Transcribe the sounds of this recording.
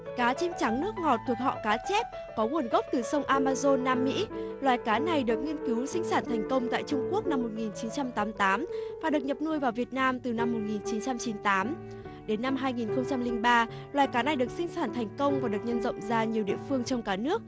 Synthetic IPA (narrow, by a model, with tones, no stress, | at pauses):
kaː˨˦t͡ɕe˧mt͡ɕa˨˦ŋnɨ˦˥ək̚ŋɔ˨˩t̚t̪ʰu˨˩ək̚hɔ̰˧˨kaː˨˦t͡ɕɛ˦˥p̚ | kɔ˨˦ŋu˧˩ənɣə˦˥wk͡p̚t̪ɨ˨˩sə˧wŋ͡mʔaː˧maː˧zo˧nːaː˧mːḭ˧˥lwaː˨˩jkaː˨˦na˨˩jɗɨ˨˩ək̚ŋi˧ənki˨˦wsï˧ŋ̟saː˧˩nt̪ʰɛ˨˩jŋ̟kə˧wŋ͡mt̪a̰ː˧˨jt͡ɕʊ˧ŋ͡mku˦˥ək̚na˧mːo˨˩t̚ŋi˨˩nt͡ɕi˨˦nt͡ɕa˧mt̪aː˨˦mt̪aː˨˦mvaː˨˩ɗɨ˨˩ək̚ɲə˨˩p̚nu˧əjvaː˨˩wvi˨˩ət̚naː˧mt̪ɨ˨˩na˧mːo˨˩t̚ŋi˨˩nt͡ɕi˨˦nt͡ɕa˧mt͡ɕi˨˦nt̪aː˨˦m | ɗe˨˦nːa˧mɦaː˧jŋi˨˩nxə˧wŋ͡mt͡ɕa˧mlï˧ŋɓaː˧ | lwaː˨jkaː˨˦na˨˩jɗɨ˨˩ək̚sï˧ŋ̟saː˧˩nt̪ʰɛ˨˩jŋ̟kə˧wŋ͡mvaː˨˩˦ɗɨ˨˩ək̚ɲə˧nzə̰˧˨wŋ͡mzaː˧ɲi˨˩əwɗḭ˧˨əfɨ˧əŋt͡ɕɔ˧wŋ͡mkaː˧˩nɨ˦˥ək̚